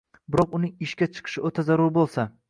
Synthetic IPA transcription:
bɪɾɒqʊnɪŋɪʃkʲat͡ʃʰɨ̥qʰɨ̥ʃɪot̪ʰazaɾʊɾbolˠsa

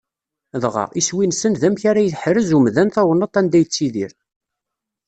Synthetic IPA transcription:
ðʁɑ̰iswinsənðæmçaɾajəθħɾəzumðænθɑwənːət̪ˤːænd̪æjət͡sːiðiɾ

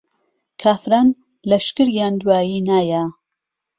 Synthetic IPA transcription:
kʰaːfɾaːn | lɐʃkɨɾjaːnd̪waːjiːnaːja

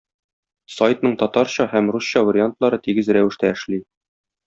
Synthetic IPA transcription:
sɒjt̪nɤɴt̪ɒt̪ɑɾɕɑhæmrusɕɑvɐɾʲɪant̪lˠɑɾɤt̪iɡɘzɾæwɘ̆ʃt̪æɘ̆ʃli

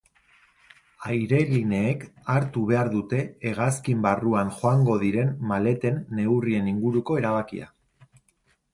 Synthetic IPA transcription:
ajɾe̞line̞ːkaɾt̪uβ̞e̞aɾðut̪e̞ːɣ̞askimbaruanxo̞aŋɡo̞ðiɾe̞nmale̞t̪e̞nːe̞wrie̞niŋɡuɾuko̞e̞ɾaβ̞akḭa̰

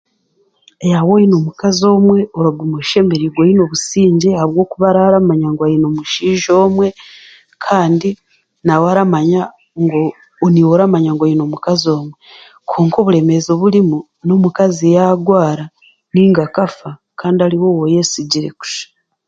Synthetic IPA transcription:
ejawojino̞mukazo̞ːmwe̞oɾoɡomweʃe̞meɾiɡwojino̞βusiːɲɟehaβwo̞ːkuβaɾaɾamaɲaŋɡwajino̞muʃiːʒo̞ːmwe̞ | kʰaːndi | nawaɾamaɲa | ŋɡoː | niwoɾamaɲaŋɡojino̞mukazio̞ːmwe̞ | kʰoːŋko̞ːβuɾe̞me̞zo̞βulimu | no̞mukazejaɡwaːɾa | niːŋɡakafa | kaːndiaɾiwo̞woje̞siɟiɾe̞̰ku̥ʃḁ

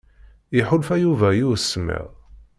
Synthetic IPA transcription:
jɪħʊlfæjuvæjuɾsːəmːḭʁ

